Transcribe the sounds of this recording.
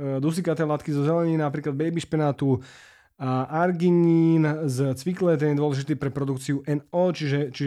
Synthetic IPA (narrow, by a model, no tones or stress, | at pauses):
d̪us̬ikat̪ɛlat̪kizɔzɛlɛɲiːnapɾiːklad̪̚bɛjbiʃpɛnaːt̪u | aʔaɾɡiɲiːnzt͡sʋiklɛt̪̬ɛnjɛd̪ʊɔlɛʒit̪iːpɾɛpɾɔd̪ukt͡siuʔɛnɔːt͡ʃiʒɛt͡ʃiʒ